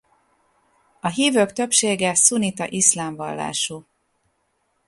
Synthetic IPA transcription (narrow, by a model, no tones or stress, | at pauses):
ɒɦiːvøːkt̪ø̞pʃeːɡɛsunit̪ɒ̰ʔislaːɱvɒ̰lːa̰ːʃu